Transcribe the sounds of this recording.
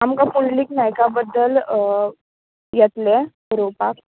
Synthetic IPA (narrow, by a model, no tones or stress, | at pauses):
amkãpulliknajkabəd̪ːəl | jɛt̪le | ɾopak